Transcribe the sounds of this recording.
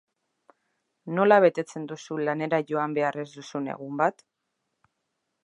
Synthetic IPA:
no̞laβ̞e̞t̪e̞t͡se̞nd̪usulane̞ɾaʝo̞ambe̞are̞zd̪usune̞̰ɣ̞umbat̪

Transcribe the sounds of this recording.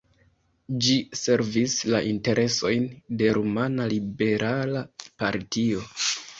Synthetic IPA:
d͡ʒise̞ɾvislaʔinte̞ɾʔe̞so̞jnde̞ɾʔumanalibe̞ɾʔalapaɾtio̞

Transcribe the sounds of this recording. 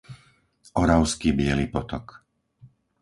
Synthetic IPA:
ʔɔɾaʊskiːbɪɛliːpɔt̪ɔk

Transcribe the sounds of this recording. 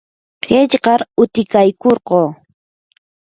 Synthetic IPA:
qeʎɢɑɾʊt̪ɪkajkoɾɢoː

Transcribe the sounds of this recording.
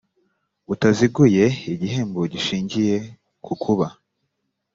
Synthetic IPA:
utaziɡuje̞iɟiɦe̞ːmboɟiʃiːɲɟije̞ | kʰukʰuβa

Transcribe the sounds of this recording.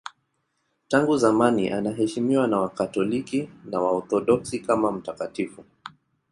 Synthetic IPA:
taŋɡuzamaniʔanaɦɛʃimiwanawakatɔlikinawaɔθɔɗɔksikamam̩takatifu

